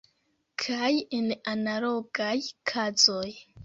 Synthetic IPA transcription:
kʰajenanalo̞ɡajkʰazo̞j

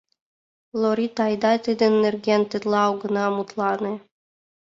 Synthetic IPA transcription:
lˠoɾʲit̪ɑjd̪ɑt̪ɨd̪ɘ̆nːɘ̆rɡʲenʲt̪ɘ̆t̪lˠɑːwɡɤ̆nɑmut̪lˠɑnɤ̆

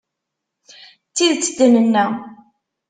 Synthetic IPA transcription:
t͡sːiðt͡sːəd̪ənənːæ

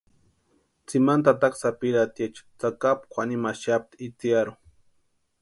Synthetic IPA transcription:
t͡simant̪at̪aksapiɾat̪jat͡ʃt͡sakap̚kʷʰanimaʃap̚t̪it͡sjaɾʊ

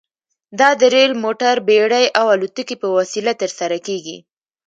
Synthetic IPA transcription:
d̪ɑd̪əɾelmoʈaɾbeɽajʔawalut̪ukipəwasilat̪əɾsaɾakeɡḭ

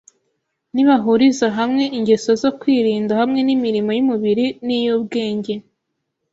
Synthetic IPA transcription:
niβaɦuɾizaɦamŋe̞ʔiɲɟe̞sozo̞kwiːɾiːndahamŋe̞nimiɾimo̞jumuβiɾinijubɡe̞ːɲɟe̞

